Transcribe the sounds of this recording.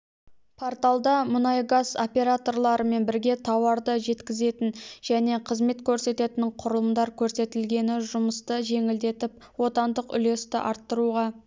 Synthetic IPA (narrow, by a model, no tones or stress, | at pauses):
pʰo̞ɾt̪alˠd̪ɑmʊnɑjɡazo̞pʲe̞ɾat̪o̞rlˠɑɾəme̞nbɪɾɡʲe̞t̪ʰɑwɑɾd̪əʒe̞t̪kʲɪze̞t̪ɪnʒæne̞qʰəzme̞t̪kʲʰɵɾse̞t̪e̞t̪ɪɴqʰʊɾəlˠəmd̪ɑɾkʲʰɵɾse̞t̪ɪlɡʲe̞nɪʒʊməst̪əʒe̞ŋɪld̪e̞t̪ɪp̚ | wo̞t̪ɑnd̪əqʏ̰le̞st̪ɪʔɑɾt̪ːəɾuʁɑ